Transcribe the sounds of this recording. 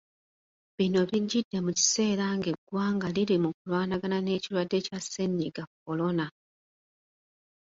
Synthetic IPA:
βino̞βiɟidːe̞muci̥se̞ːɾaŋɡe̞ɡwaːŋɡaliɾimukulwaːnaɡanane̞ːcilwadːe̞caseɲiɡak̚ːo̞lo̞na

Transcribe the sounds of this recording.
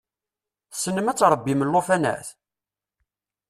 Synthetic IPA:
sːənːəmæt͡sːɾˤəbːiməlːofænæ̰θ

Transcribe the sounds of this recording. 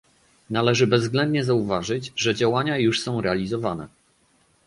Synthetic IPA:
nalɛʐɘbɛzɡlɛnd̪̚ɲɛzauvaʐɘd͡ʑʐɛd͡ʑawaɲajuʂsɔ̃w̃ɾɛalʲizɔvanɛ̰

